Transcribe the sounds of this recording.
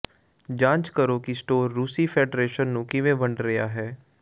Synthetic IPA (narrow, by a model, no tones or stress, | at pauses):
d͡ʒãːt͡ʃkəɾoːkisʈoːɾːuːsiːpʰeːɖɾeːʃənːũːkɪʋẽbəɳɖɾəja̰ːɦɛː